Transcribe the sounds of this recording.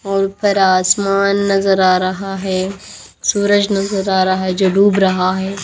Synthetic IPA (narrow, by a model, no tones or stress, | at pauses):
ɔːɾpʰɪɾaːsmaːnːɐzəɾaːɾɐɦaɦɛː | suːɾəd͡ʒnɐzəɾaːɾaɦɛd͡ʒoːɖuːbɾɐɦaɦɛː